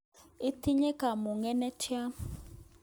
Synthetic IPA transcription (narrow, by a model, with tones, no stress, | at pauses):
i˦tʰi˦ɲɛ˦ka˨mu˨ŋɛ˦nɛ˦tʰja˦